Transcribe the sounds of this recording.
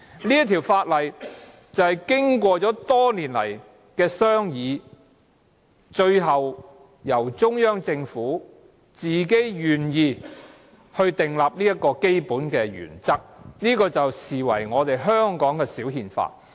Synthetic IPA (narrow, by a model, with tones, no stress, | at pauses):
ni˥ɐ˥t̪ʰi˨˩wfaː˧t̚lɐ˨˩j | t͡sɐ˨˧whɐ˨jkɪ˥ŋkʷɔː˧t͡sɔː˨˥t̪ɔː˥niː˨˩nlɐ̰˨˩j | kɛː˧sœː˥ŋjiː˨˧ | t͡ʃɵ˧ɥɦɐ˨w | jɐ˨˩wt͡ʃʊ˥ŋjœː˥ŋt͡sɪ˧ŋfuː˨˥ | t͡siː˨ke˥jjyː˨˩njiː˨˧ | hɵ˧ɥt̪ɪ˨ŋlaː˨p̚niː˥jɐ˥t̚kːɔː˧ke˥jpuː˨˥nkɛː˧jy̰ː˨˩nt͡sɐ˥k̚niː˥kɔː˧t͡sɐ˨wsiː˨wɐ̰˨˩jŋɔː˨˧t̪e˨jɦœː˥ŋkɔː˨˥ŋkɛː˧siː˨˥wɦiː˧nfa̰ː˧t̚